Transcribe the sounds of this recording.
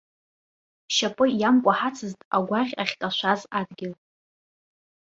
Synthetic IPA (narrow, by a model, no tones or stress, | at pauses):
ʃapʼɨjamkʷʼaħat͡sʰɨztʼaɡʷaʁʲa̰χʲtʼaʃʷazadɡʲɪl